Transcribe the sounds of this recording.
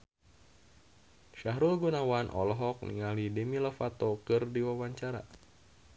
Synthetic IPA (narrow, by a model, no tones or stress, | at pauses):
ʃaɦɾulɡunawanʔɔ̰lɔɦɔk̚nḭŋalidɛmilɔfat̪ɔkɨrdiwawaɲt͡ʃaɾa̰